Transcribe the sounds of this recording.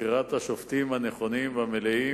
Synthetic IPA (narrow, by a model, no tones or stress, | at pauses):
iʁat̪haʃoft̪imhaneχo̞nimvamelei